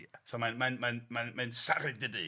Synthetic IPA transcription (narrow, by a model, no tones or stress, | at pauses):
somãnmanmãnmanmansaɾɪɡ̚dɪdi